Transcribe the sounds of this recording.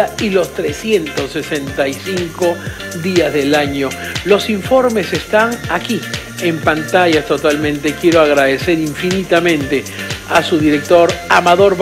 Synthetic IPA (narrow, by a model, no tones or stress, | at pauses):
ailo̞st̪ɾesje̞nt̪osːesent̪ajsiŋko̞ | ðiazðe̞laɲo̞lo̞siɱfo̞ɾme̞se̞st̪aŋaki | empant̪aʝast̪o̞t̪almẽ̞nt̪e̞kjeɾoaɣɾaðese̞ɾiɱfinit̪amẽ̞nt̪easuðiɾe̞k̚t̪o̞ɾamaðo̞ɾβ